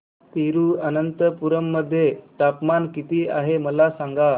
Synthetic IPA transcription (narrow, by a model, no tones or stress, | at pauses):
t̪iɾuːənənt̪əpuɾəmːəd̪ʱːjeʈ̪apmankit̪iːa̰ɦeməlasaŋɡa